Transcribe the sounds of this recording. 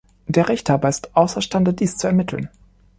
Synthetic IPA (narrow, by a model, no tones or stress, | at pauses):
d̥eːɐʁɛçthaːbɐɪstʔaʊsɐʃtandəd̥iːst͡suɛɐmɪtʰl̩n